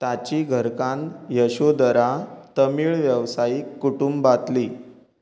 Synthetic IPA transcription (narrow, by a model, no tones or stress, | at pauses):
t̪at͡ɕiːɡʱəɾkãnt̪jəɕod̪əɾat̪əmiːɭʋjəʋsaikːuʈumbbat̪liː